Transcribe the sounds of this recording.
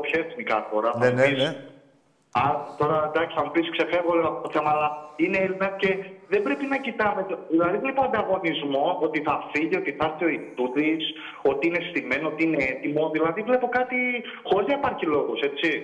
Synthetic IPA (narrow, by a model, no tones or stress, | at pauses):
pçɐeθmikɐ̰foɾɐuis | ɐt̪o̞ɾɐnd̪ɐksi̥θɐmupisi̥kse̞fevɣoleɐfot̪oθe̞mɐːlɐineelinɐsce̞ðembɾe̞pinɐcit̪ɐmet̪eðilɐðivlepoɐnd̪ɐɣo̞nizmo̞ot̪iθɐfiʝio̞t̪iθɐst̪io̞it̪ut̪is | o̞t̪iine̞st̪ime̞noot̪iine̞et̪imo̞ðilɐðivle̞po̞kɐt̪i | xo̞ɾiznɐipɐɾçilo̞ɣose̞t͡si